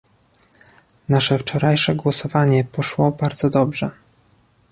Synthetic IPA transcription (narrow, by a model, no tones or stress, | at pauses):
naʂɛft͡ʂɔɾajʂɛɡwɔsɔvaɲɛpɔʂwɔbaɾd̪zɔd̪ɔbʐɛ